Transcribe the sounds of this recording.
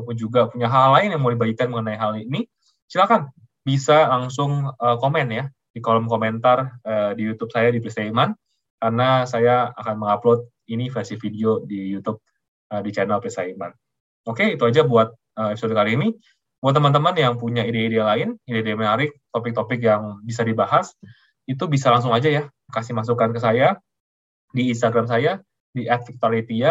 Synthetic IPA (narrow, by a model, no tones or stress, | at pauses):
kud͡ʒuɡapuɲaɦalːaɪnjaŋmulabaikanməŋənaiɦalini | silakan | bisalaŋsʊŋəkomɛnja | d̥ikoləmkoment̪arədijut̪up̚sajadipɾisaiman | karnasajaakanməŋaplot̪̚ | inifɛrsifideodijut̪ʊp̚ | ədit͡ʃanɛlpɾisaima̰n | okeit̪uad͡ʒabuat̪̚ | əmɛpisodikaliini | buat̪̬ːəmant̪̬əmanjaŋpuɲaideaidealaɪnideaideamanaɾɪk̚t̪opɪk̚t̪opɪk̬jaŋbisadibaɦas | it̪ubisalaŋsʊŋad͡ʒaja | kasɪhmas̬ukankəs̬aja | diːnst̪aɡɾams̬aja | diʔɛt̪̚fik̚t̪ualit̪ia